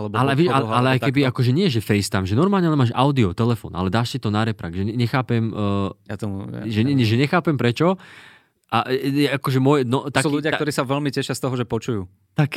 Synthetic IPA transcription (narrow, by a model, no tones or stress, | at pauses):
alɛbɔalɛaʋɪɛʃalɛalɛajk̪ɛbiakɔʒɛɲɪɛʒɛfɛjst̪amʒɛnɔɾmaːlɲɛalɛnmaːʃa̰ʊd̪iɔt̪ɛlɛfɔ̰ːnʔa̰lɛd̪aːʃsit̪ɔnaɾɛpɾa̰ɡʒɛɛɲɛxaːpɛmːja̰t̪ɔmṵʒɛɲɛɛʒɛɲɛxaːpɛmpɾɛt͡ʃɔ | ʔajɛakɔʒɛmʊɔjɛnɔt̪asuluɟɪak̪ɔɾiːsaʋɛlmicɛʃɪast̪ɔɦɔʒɛpɔt͡ʃujuː | t̪ak